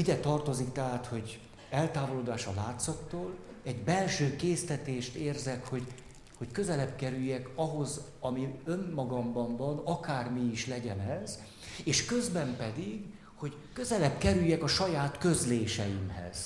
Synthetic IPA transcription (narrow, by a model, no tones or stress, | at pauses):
id̪ɛt̪ɒrt̪o̞zikt̪ɛɦaːt̪ho̞ɟ | ɛlt̪aːvo̞loːd̪aːʃɒlaːt̪sɒt̪ːoːl | ɛɟbɛlʃøːkeːst̪ɛt̪eːʃt̪eːrzɛkho̞ɟ | ho̞ckø̞zɛlɛbkɛɾyjːɛkɒɦo̞zɒmiø̞mːɒɡɒmbɒmbɒnɒkaːrmiːʃlɛɟɛnɛz | eːʃkøzbɛmpɛd̪iɡ | ho̞ɟ | kø̞zɛlɛbkɛɾyjːɛkɒʃɒjaːt̪kø̞zleːʃɛ̰jimhɛ̰z̥